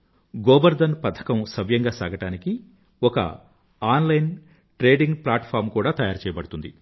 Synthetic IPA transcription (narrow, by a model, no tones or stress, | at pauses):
ɡoːbɐɾd̪ɐnpɐt̪ʰɐ̥kɐmsɐʋjɐŋɡaːsa̰ːɡɐʈaːniki | ɔkɐ̰ | aːnlɐjn | ʈɾeːɖiŋɡplaːʈpʰaːɾmkuːɽaːt̪ɐjaːɾt͡ʃɛːjɐbɐɽut̪und̪i